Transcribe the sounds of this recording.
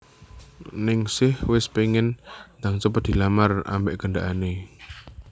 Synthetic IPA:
nɪŋsɪhwɪspeŋɪnd̪aŋt͡ʃəp̬ət̪̚d̪̥i̤lamara̰mbɛʔɡ̥əɳɖaʔane

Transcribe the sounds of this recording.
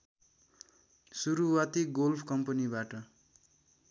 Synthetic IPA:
suɾuwat̪iɡolpʰkʌmpʌnibaʈʌ

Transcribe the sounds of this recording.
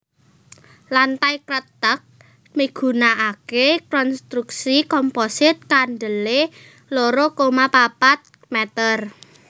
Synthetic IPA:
lant̪ajkɾət̪ək̚ | miɡ̥ṳnaʔakekɔnst̪ɾuk̚sikɔmposɪt̪̚kaɳɖəle | loɾokomapapat̪̚ | mɛt̪ər

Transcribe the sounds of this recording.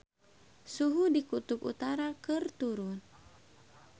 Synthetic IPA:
suɦudikut̪upṵt̪aɾakɨrt̪uɾun

